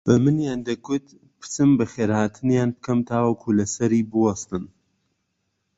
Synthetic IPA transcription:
b̥ɨmɨnjaːnd̪ɐkʊt̪ | pʰɨ̥t͡sɨmbɨxeːɾhaːt̪ʰɨnjaːnbɨkʰɐmt̪ʰaːwɐkʰulɐsɐɾiːbɨwɑst̪ɨn

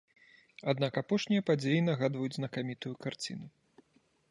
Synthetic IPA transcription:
ad̪nakapɔʂnʲijɐpad͡zʲejinɐɣad̪vɐjud͡zʲznɐkamʲit̪ujukart͡sʲḭnu

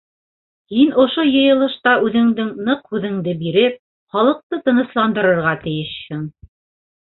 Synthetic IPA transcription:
hinŏʃojɤ̆jɤ̆lˠɤ̆ʃt̪ɑʉðɘ̆ŋd̪ɘŋnɤqhʉðɘ̆ŋd̪ɘbiɾɘp̚ | χɑlˠɤ̆q̚t̪ɤt̪ɤ̆nɤ̆slˠɑnd̪ɤ̆ɾɤ̆ɾʁɑt̪ɘ̆jɘʃhɘŋ

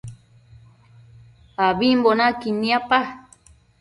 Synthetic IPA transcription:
aβimbonakinĩapa

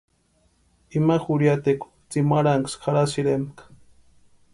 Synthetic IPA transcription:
imaxuɾjat̪ek | t͡simaɾaŋksxaɾasiɾemkḁ

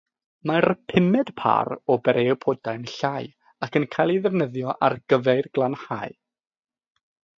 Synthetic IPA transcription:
marpʰɪmɛd̥pʰa̰ɾɔbɛɾewpʰɔdajnɬaːj | akʰənkʰajlˠiðɛvnəðjɔʔarɡ̥əvɛɨrɡlˠanhaːɨ

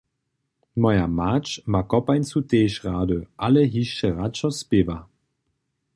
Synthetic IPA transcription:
mɔjamaːt͡ʃmakɔpajnt͡suteːʃʁaːdøʔaləɦiʃəʁat͡ʃɔspeva

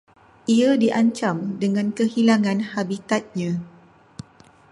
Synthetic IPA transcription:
ʔiadiʔaɲt͡ʃamdəŋãnkəhilaŋãnhabit̪at̪̚ɲã

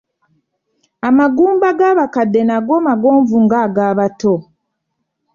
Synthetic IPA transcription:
amaɡuːmbaɡaːβakadːe̞naɡo̞maɡo̞ːɱvuŋɡaɡaːβato

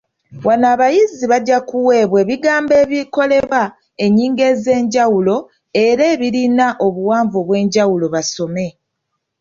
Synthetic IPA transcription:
wanaːβajiziβaɟːakuwe̞ːβwe̞βiɡaːmbe̞ːβjiko̞le̞βa | e̞ɲːiːŋɡe̞ze̞ːɲɟawulo̞ | e̞ɾe̞ːβiɾinaʔo̞βuwaːɱvoβwe̞ːɲɟawulo̞βaso̞me̞

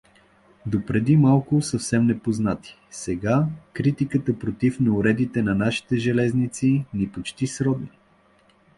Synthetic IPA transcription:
d̪opɾɛd̪imalˠkʊsəfsɛmnɛpoznat̪i̥ | sɛɡakɾit̪ikət̪əpɾot̪ifnɛʊɾɛd̪it̪ɛnɐnaʃi̥t̪ɛʒɛlɛznit̪sinipot͡ʃt̪isɾɔd̪ni

